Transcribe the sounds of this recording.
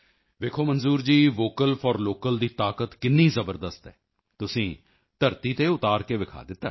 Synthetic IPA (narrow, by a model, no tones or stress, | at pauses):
ʋeːkʰoːmənzuːɾd͡ʒiːʋoːkəlpʰɔɾloːkəld̪iːt̪aːkət̪kɪnːĩːzəbəɾd̪əst̪ɦɛ̰ː | t̪ʊsĩː | t̪əɾt̪iːt̪eːʊt̪aːɾkeːʋɪkʰa̰ːd̪ɪt̪ːa̰ː